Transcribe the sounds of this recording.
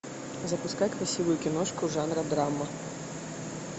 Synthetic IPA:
zɐpuskajkɾasʲivʊjukʲinɔt͡ʂkuʐanɾɐd̪ɾamɐ

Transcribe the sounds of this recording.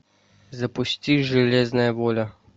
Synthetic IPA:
zɐpʊst̪ʲiʒɛlʲeznɐjɛʋoːlʲa

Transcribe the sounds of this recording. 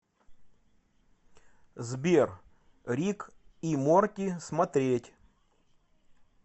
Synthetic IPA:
zbʲer | ɾʲikimorkʲɪsmɐt̪ɾʲetʲ

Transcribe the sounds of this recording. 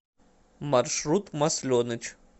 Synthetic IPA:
marʂɾut̪mɐsʲlʲonɨt͡ʃ

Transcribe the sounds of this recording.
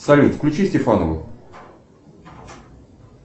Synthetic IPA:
sɐlʲut̪fklʲʉt͡ɕisʲtʲɪfanəvə̰

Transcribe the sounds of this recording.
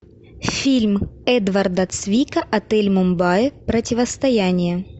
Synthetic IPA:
fʲilʲmɛd̪vɐrd̪ɐt̪svʲikɐʔɐt̪ɛlʲmʊmbajɪpɾɐtʲɪvəst̪ɐjænʲɪjə

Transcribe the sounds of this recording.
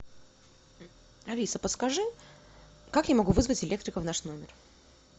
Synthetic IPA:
ɐlʲisəpət̪skɐʐɨ | kakjamɐɡuvɨzvətʲɪlʲe̞k̚t̪ɾʲɪkəvnaʂnomʲɪr

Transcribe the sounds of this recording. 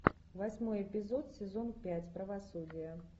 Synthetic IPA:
vasʲmɔjɛpʲɪzɔt̪sʲɛzɔnpʲat͡sʲpɾɐvasud͡zʲijɐ

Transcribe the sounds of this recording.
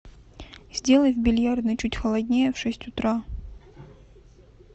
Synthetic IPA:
z̥ʲdʲe̞lˠəjvbʲɪlʲjard̪nɨt͡ɕutʲxɐlˠɐdʲnʲejəfʂɛsʲtʲʊt̪ɾa

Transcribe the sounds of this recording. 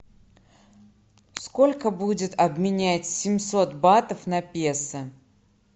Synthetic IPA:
skolʲkəbudʲɪt̪ɐbmʲɪnʲæt͡sʲsʲɪmʲso̞t̪bat̪əfnɐpʲesɨ

